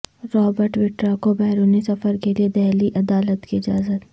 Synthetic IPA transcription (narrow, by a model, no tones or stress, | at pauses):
ɾɔːbəɾʈwɪʈɾakobɛːɾuːnisɐfəɾkelied̪ɛːɦliʔɐd̪aːlət̪kiɪd͡ʒaːzət̪